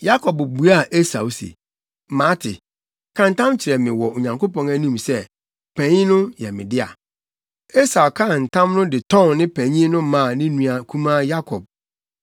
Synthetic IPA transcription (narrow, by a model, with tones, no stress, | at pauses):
ja˦kʰɔ˨bbu˨a˦˨ʔe˦sa˨u˨sḛ˨ | mã˦tʰɪ̰˨ | kʰã˦n̩˨tʰã˦mt͡ɕʰɪ˨ɾɛ˨mɪ̃˨wɔ˨o˨ɲã˨ŋkʰo˦pɔ̃˨næ˦nũ˦msɛ˦ | pʰæ̃˨ɲĩ˦nʊ̃˦jɛ˨mɪ̃˨dɪ˦a̰˨ | e˦sa˨kʰã˦˨n̩˨tʰã˦mnʊ̃˦dɪ˨tʰɔ̃˦˨nːɪ̃˦pʰæ̃˨ɲĩ˦nʊ̃˦mã˦˨nɪ̃˦nũ˨a˨kʰũ˦mã˦ja˦kʰɔ˨b̚